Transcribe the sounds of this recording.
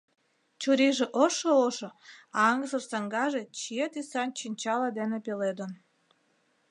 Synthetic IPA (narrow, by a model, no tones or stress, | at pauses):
t͡ɕuɾiʒeʔoʃooʃoɑɑŋɡəzərsɑŋɡɑʒet͡ɕiet̪isɑnʲt͡ɕinʲt͡ɕɑlɑd̪enepeled̪ən